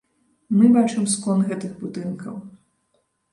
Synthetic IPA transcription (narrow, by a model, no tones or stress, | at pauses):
mɨbat͡ʂɨmskɔnɣɛt̪ɨɣbud̪ɨnkʰɐw